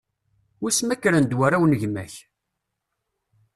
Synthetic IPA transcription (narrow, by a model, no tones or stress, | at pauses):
wismækːɾænd̪waɾawnəʝmæç